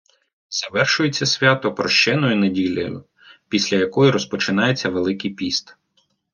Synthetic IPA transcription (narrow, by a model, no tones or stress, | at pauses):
zɐʋɛrʃʊjet͡sʲːɐsʲʋʲat̪ɔpɾɔʃt͡ʃɛnɔjʊnedʲilʲɐ̰jʊ̰ | pʲisʲlʲɐjɐkɔjiɾɔspɔt͡ʃɪnɑje̞t͡sʲːɐʋelˠɪkijpʲist̪